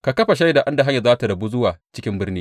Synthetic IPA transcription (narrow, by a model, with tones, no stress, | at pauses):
ka˨kɐ˦ɸa˨ʃ̬a˦jda˨ʔa˦nda˨ɦa˦ɲːa˨zaː˦ta˨dɐ˨bu˦zʊ˦waː˨t͡ʃɪ˦kʲɪ˦mbɪ˦rniː˦